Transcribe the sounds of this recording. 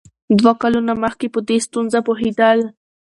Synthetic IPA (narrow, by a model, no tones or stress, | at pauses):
d̪wakalunaməxkepəd̪est̪unzapoɦed̪əl